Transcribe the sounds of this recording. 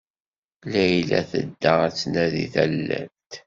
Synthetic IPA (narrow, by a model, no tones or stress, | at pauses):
læjlæ̰θə̰d̪ːəæt͡sːnæðḭθælːæ̰ɾt̪